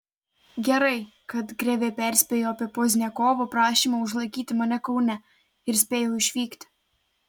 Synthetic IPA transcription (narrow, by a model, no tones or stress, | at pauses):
ɡʲɛɾɐɪ | kɐt̪ɡɾʲɛʋʲeːpʲæˑɾʲsʲpʲeːjoːɐpʲiɛpoːzʲnʲɛkoːʋopɾɑːʃʲiːmɐʊʒlˠɐɪkʲiːt̪ʲɪmɐnʲɛkɒʊnʲɛ | ɪɾsʲpʲeːjoʊɪʃʲʋʲiːkt̪ʲ